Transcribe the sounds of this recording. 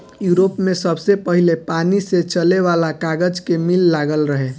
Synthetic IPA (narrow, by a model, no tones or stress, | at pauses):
juɾopmesəbsepəɦilepaniset͡ʃəleʋalakaɡəd͡ʒkemilːaɡəlɾəɦe